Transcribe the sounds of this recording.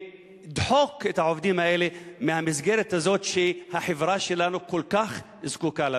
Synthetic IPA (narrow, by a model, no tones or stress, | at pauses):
d̪ħokɪt̪aʕofd̪iːmaʔeːlimɪnhamɪzɡeːɾat̪azoːt̪ʃihaħɪvɾˤɑːʃilanukʊlkax | zkuːkala